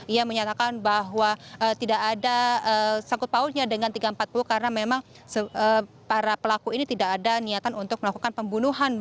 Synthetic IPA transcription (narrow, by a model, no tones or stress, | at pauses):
ijaməɲat̪akanbaɦwaəːt̪idaʔːdaəsaŋkʊt̪̚paulɲadəŋant̪iɡaəmpat̪̚puluhkaɾənamemaŋ | səə | paɾapəlakuinit̪idakadaniat̪anunt̪ʊk̚məlakukanpəmbunuɦan